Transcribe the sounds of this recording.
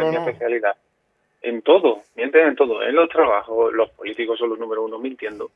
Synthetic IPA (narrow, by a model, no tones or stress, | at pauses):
emiepeθjaliða | e̞̰nt̪o̞ðomjent̪eŋent̪oðoḛnlo̞t̪ɾaβ̞axolo̞hpolit̪ikosonlonũmeɾosunomẽnt̪jend̪o